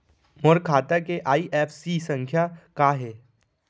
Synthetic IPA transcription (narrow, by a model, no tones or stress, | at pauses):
mʊɾkʰaːt̪akeʔaːiʔɛːfʰsisə̃ŋkʰjakaːɦɛː